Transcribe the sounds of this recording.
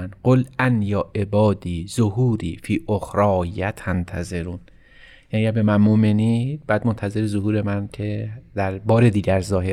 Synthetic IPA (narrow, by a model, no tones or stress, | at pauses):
nɢolænjɒːʔe̞bɒːd̪iːzohuːɾiːfiːʔoxɾɒːjæt̪ʰænt̪ʰæzeɾuːn | ææiæɾbe̞mænmoʔmenibæːd̪̚mont̪ʰæze̞ɾezoɦuːɾe̞mæncʰed̪æɾbɒːɾed̪iːɟæɾzɒːɦe